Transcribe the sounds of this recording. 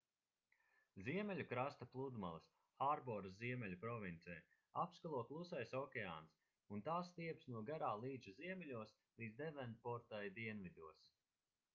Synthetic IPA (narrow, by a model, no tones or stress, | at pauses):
ziɛmɛlʲukɾast̪aplˠud̪ma̰lˠɐs | xaɾbɔɾziɛmʲɛlʲupɾɔvʲint̪sɛː | apskalˠuɔklˠusajsɔkʲea̰ːns | unt̪aːst̪iɛpsnuɔɡaɾaːlˠiːd̪zuziɛmʲɛlʲuɔs | vizd̪ɛvɛnpɔɾt̪ajd̪iɛnvid̪uɔs